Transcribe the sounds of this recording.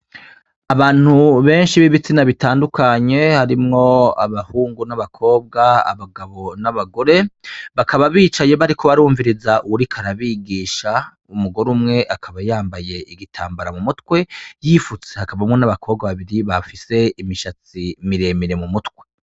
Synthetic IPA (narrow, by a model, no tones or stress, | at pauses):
aβaːn̥huβe̞ːnʃiβiβit͡sinaβitaːndukaɲe̞haɾimŋo̞a̰βahuːŋɡunaβakʰo̞ːb̚ɡaa̰βaɡaβo̞naβaɡo̞ɾe̞βakʰaβaβiːt͡ʃaje̞βaɾikʰo̞βaɾuːɱviɾizaʔuwuɾikʰaɾaβiːɡiːʃa | umuɡo̞ɾumŋe̞ʔakʰaβajaːmbaje̞iɡitʰa̰ːmbaɾamumutwe̞jiːfut͡sehakaβamŋo̞naβakʰo̞ːb̚ɡaβaβiɾiβafise̞imiʃat͡simiɾe̞miɾe̞mumutkwe̞